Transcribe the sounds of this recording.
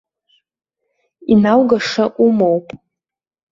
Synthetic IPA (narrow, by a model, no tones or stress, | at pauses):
inawɡaʂaʔumowpʼ